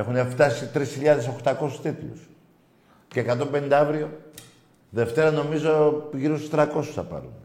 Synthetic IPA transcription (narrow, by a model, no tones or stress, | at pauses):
e̞xuneft̪ɐsit̪ɾisçiʎɐðe̞so̞xt̪ɐko̞su̥st̪it̪lṵs | ce̞ːkɐt̪o̞mbe̞nind̪ɐɐvɾio̞ | ðe̞ft̪e̞ɾɐno̞mizo̞ʝiɾust̪ɾɐko̞su̥sθɐpɐ̰ɾṵn